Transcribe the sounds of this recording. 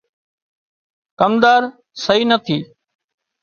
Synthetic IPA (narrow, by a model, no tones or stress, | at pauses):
kəmd̪aːɾ | səɦiːnət̪ʰiː